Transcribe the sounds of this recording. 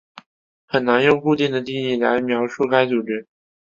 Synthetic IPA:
xə˨˩nna˧˥njʊ˥˧ŋku˥˧t̪i˥˩ŋd̪ə˩t̪i˥˧li˥˩la˧˥ɪ˩mjɑ˧˥ʊʂu˥˩ka˥ɪt͡su˨˩ʈ͡ʂɻ̩˥

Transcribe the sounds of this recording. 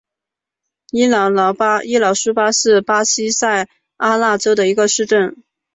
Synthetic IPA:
i˥lɑ˨˩˥lʊpa˥i˥lɑ˨˧˥ʊʂu˥pa˥ʂɻ̩˥˩pa˥ɕi˥sa˥˩ɪ | a˥la˥˩ʈ͡ʂo˥ʊd̪ə˨i˧˥ɡə˧ʂɻ̩˥˧ʈ͡ʂə˥˩n

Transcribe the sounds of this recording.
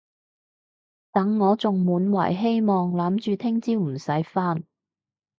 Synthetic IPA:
t̪ɐ˨˥ŋːɔː˨˧t͡sʊ˨ŋmuː˨˥nwɐ̰˨˩jɦe˥jmɔː˨ŋlɐː˨˥mt͡ʃyː˨t̪ʰɪ˥ŋt͡siː˥wm̩˨˩sɐ˨˥jfaː˥n

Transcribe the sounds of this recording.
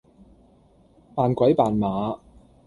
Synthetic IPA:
paː˨nkʷɐ˨˥jpaː˨˩nmaː˨˥

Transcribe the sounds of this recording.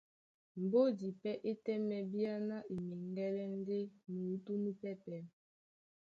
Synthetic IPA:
m̩˨bo˦di˨pɛ˦ʔe˦tɛ˦mɛ˨bi˦a˦na˦ʔi˨mi˨ŋ˦ɡɛ˦lɛ˦n˦de˦mu˨u˦tu˦mi˦pɛ˦pɛ˨

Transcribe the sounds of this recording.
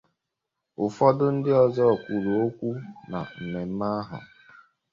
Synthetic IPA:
ʊ˨fɔ˦dʊ˦n̩˦dɪ˦ɔ˨zɔ˦˨kʷu˨ɾo˨o˦kʷu˦na̰˨m̩˨me˨m̩˦ma˦a˦ɦʊ̰˨

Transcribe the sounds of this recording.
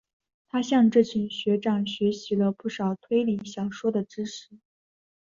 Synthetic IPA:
t̪ʰa˥ɕjɑ˥˧ŋʈ͡ʂɤ˥˩t͡ɕʰi˨˩ŋɕɥɛ˧˥ʈ͡ʂɑ˥˩ŋɕɥɛ˧˥ɕi˧˥lə˧pu˥˩ʂɑ˨˩ʊt̪ʰwe˥ɪli˧˥˩ɕjɑ˨˩ʊʂwɔ˥d̪ə˨ʈ͡ʂɻ̩˥ʂɻ̩˧˥

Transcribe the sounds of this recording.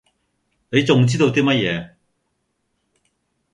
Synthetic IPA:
ne˨˧jt͡sʊ˨ŋt͡siː˥t̪o˧wt̪iː˥mɐ˥t̚jɛː˨˧

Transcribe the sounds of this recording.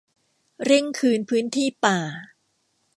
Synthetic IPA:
ɾe˥˩ŋkʰɯː˧npʰɯː˦˥nt̪ʰiː˥˩paː˨˩

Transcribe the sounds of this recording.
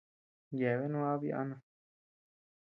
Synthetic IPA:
je˨βe˦nũ˦a˦βi˦ʔa̰˧nã˧

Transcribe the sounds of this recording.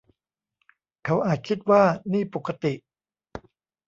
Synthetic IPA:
kʰa˦˥wʔaː˨˩t̪̚kʰi˦˥t̪̚waː˥˩niː˥˩po˨˩kʰːa˧t̪i˨˩ʔ

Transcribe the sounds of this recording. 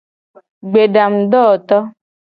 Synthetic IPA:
ɡ͡be˨ɖa˨m̩˨ɖ̪ɔ˦˨t̪ɔ˦

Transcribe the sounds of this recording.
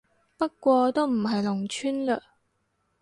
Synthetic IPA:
pɐ˥t̚kʷɔː˧t̪o˥wm̩˨˩ɦɐ˨jlʊ˨˩ŋt͡ʃʰyː˥nləː˧

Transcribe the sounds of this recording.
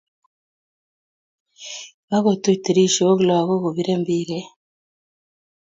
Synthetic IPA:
βa˦ɣo˨tu˦te˨ɾi˦ʃo˨o˦ɣla˨ɣo˦ɣo˨βi˦ɾe˦mbi˦ɾe˦

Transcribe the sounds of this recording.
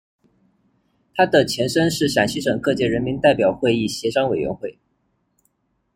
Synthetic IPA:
t̪ʰa˥d̪ə˨t͡ɕʰjɛ˧˥nʂə˥nʂɻ̩˥˩ɕjɑ˨˩ŋɕi˥ʂɤ˨˩ŋkɤ˥˧t͡ɕjɛ˥˩ɻə˧˥nmi˧˥nt̪a˥˩ɪpjɑ˨˩ʊxwe˥˧ɪi˥˩ɕjɛ˧˥ʂɑ˥ŋwe˨˩ɪɥɛ̰˧˥nxwe˥˩ɪ

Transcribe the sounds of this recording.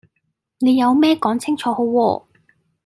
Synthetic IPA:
ne˨˧jːɐ˨˧wmɛː˥kɔː˨˥ŋt͡sʰɪ˥ŋt͡ʃʰɔː˨˧ho˨˥wwɔ̰ː˧

